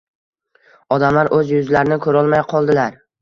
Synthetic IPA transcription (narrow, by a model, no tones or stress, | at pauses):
ɒd̪amlaɾʔɵzjʊzlaɾɪnɪkʰɵɾɒlˠmajqʰɒlˠd̪ɪlaɾ